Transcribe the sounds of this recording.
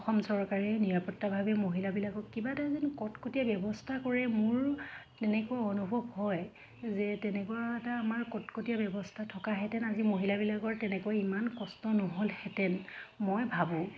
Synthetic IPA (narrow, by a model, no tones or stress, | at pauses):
ɔxɔmsɔɹkaɹɛniɹapɔtːabʱabɛmoɦilabilaɡɔkkibatazinkɔtkotijabjɔbɔstʰakɔɹɛmʊɹtɛnɛkoaɔnubʱɔbhɔj | zɛtɛnɛkoaɛtaːmaɹkɔtkotijabjɔbɔstʰatʰɔkaɦɛtɛnazimoɦilabilaɡɔɹtɛnɛkuaimankɔstɔnɔɦolhɛtɛnmojbʱabʊ̃